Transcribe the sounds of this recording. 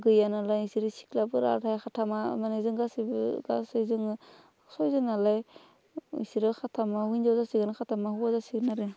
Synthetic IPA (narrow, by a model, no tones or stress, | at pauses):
ɡɯjanalajisiɾɯsi̥klabɯɾa̰tʰajxʰatʰama̰manazɯŋɡasibɯ̰ɡa̰sɯzɯŋɯ | sɔjzɯnalaj | ḭsiɾɯxʰatʰamahujnzazasiɡɯnakʰatʰamaɦuazasiɡnaɾɯ